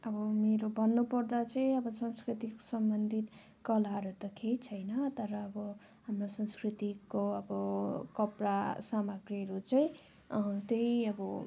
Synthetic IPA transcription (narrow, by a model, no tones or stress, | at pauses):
ʌbʌmeɾobʱʌnːupʌrd̪at͡sʌj̃ʌbʌsʌ̃nskɾit̪iksʌmbʌnd̪ʱit̪ | kʌlaɾot̪ʌkʰejt͡sʰʌjnʌt̪ʌɾʌːbʌ | hamrosʌ̃nskrit̪ikːoʌbʌkʌprasamaɡrʌɾut͡sʌĩ | t̪ejʌbʌ